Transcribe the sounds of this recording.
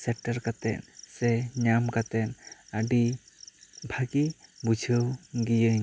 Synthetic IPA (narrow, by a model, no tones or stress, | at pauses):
sɛʈəɾkat̪ɛ̰ʔsɛɲamkat̪ɛnaɖi | bʱaɡibud͡ʒʱəwɡijəɲ